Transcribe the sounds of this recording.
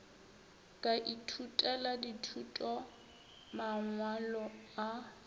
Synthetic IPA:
kʼaʔitʰutʼɛladitʰutʼɔ | maŋwalɔa

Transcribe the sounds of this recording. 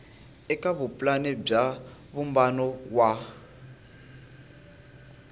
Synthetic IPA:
ɛkʼaβupʼlanɛb͡ʐaβumbanɔwa

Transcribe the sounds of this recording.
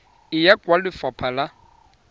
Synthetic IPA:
ɪjakʼwalɪfapʰala

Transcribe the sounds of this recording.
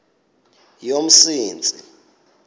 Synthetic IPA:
jom̩siːnt͡sʼḭ

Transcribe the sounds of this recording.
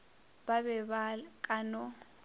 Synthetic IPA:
babɛβalkʼanɔ

